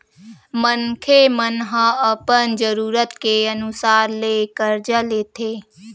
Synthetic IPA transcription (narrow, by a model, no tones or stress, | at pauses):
mənkʰemənɦə̃əpənd͡ʒəɾuːɾət̪keənʊsaːɾlekəɾd͡ʒəleːt̪ʰeː